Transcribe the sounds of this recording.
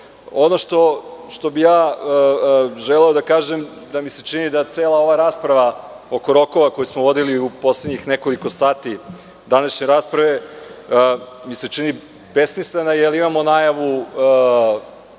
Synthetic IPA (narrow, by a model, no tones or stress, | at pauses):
onoʃt̪o̞ʃt̪o̞bijaː | ʒeleod̪akaːʒe̞m | d̪amise̞t͡ʃinid̪at̪seːlˠao̞ʋaɾaːspɾaʋa | oko̞ɾo̞ko̞ʋako̞jismoʋo̞d̪iliupo̞slˠed̪ɲixneko̞liko̞saːt̪i | d̪anaʃɲe̞ɾaːspɾaʋe̞ | mise̞t͡ʃini | besmislenajelimamo̞najaʋu